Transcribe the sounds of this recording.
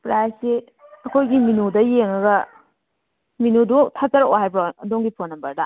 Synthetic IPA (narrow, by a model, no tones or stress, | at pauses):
pɾajsi | ɐkʰojɡiminudɐjeŋɐɡɐ | minudotʰat͡ʃɐɾoɦajbɾoɐdoŋɡipʰonːɐmbɐɾdɐ